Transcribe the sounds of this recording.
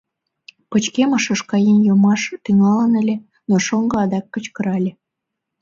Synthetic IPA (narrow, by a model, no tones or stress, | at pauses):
pət͡ɕkeməʃə̆ʃkɑjenjomɑʃt̪yŋɑlənə̆lʲe | noʃoŋɡɤ̆ɑd̪ɑkːət͡ɕkə̆ɾɑlʲe